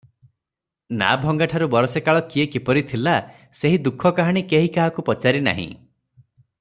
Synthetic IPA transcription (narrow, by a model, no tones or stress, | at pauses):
na̰bʱɔŋɡaʈʰaɾubɔɾɔsekaɭɔkiekipɔɾit̪ʰila | seɦid̪ukʰɔkaɦaɽ̃ikeɦikaɦakupɔt͡ʃaɾina̰ɦḭ̃